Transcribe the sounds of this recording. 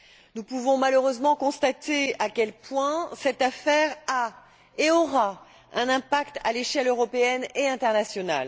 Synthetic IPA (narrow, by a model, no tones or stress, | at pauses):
nupuvɔ̃maløʁøzmɑ̃kɔ̃st̪at̪eakʲɛlpwɛ̃sɛt̪afɛʁa | eɔʁa | ɛ̃nɛ̃pakt̪a̰leʃɛløʁɔpeɛneɛ̃t̪ɛʁnasjɔna̰l